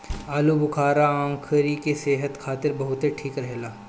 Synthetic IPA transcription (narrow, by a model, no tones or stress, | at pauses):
aːlubʊkʰaːɾaãːkʰɾikeseːɦət̪kʰaːt̪ɪɾbɐɦʊt̪ɦeʈʰiːkɾɛɦlaː